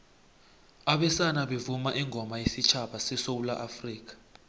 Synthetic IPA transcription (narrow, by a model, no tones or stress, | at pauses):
aɓɛsanaɓevumaʔɛŋʱɔmajesit͡ʃʰaɓasɛsowula̰ʔafriːk̬ḁ